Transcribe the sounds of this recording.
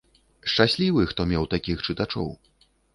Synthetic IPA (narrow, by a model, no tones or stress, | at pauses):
ʂt͡ʂasʲlʲivɨxt̪ɔmʲɛwt̪akʲixt͡ʂɨt̪at͡ʂɔ̰w